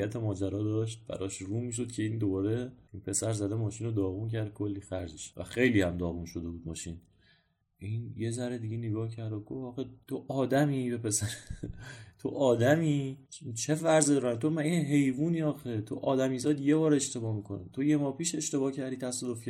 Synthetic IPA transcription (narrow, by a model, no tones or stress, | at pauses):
æt̪ʰe̞mɒːd͡ʒæɾɒːd̪ɒːʃ̬t̪̚bæ̰ɾɒʃɾuːmiːʃ̬o̞d̪̚cʲʰeiːnd̪obɒːɾe̞ʔinpʰe̞sæɾzæd̪emɒːʃinod̪ɒːɣuncʰæɾd̪̚kʰo̞lːiːxæɾzeʃvæ̰xe̞jliːhæmd̪ɒːɣunʃo̞d̪e̞buːd̪̚mɒːʃin | ʔinje̞zæɾed̪iɟeneɡɒːhcʰæɾd̪oɡofɒːxet̪ʰoʔɒːd̪æmiːbe̞pe̞sæɾe | t̪ʰo̞ʔɒːd̪æmiːt͡ʃot͡ʃʰe̞fæɾzid̪ɒɾænt̪ʰo̞mæjeɦe̞jvuːniːɒːxet̪ʰo̞ʔɒːd̪æmiːzɒːd̪je̞bɒːɾe̞ʃt̪e̞bɒːmikʰonet̪ʰo̞je̞mɒːpiːʃe̞ʃt̪e̞bɒːcʰæɾd̪it̪ʰæsɒːd̪o̞fcʰʲæ